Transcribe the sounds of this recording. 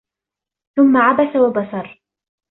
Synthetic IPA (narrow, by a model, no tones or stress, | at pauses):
θʊmːaʕabasawabɑsɑɾˤ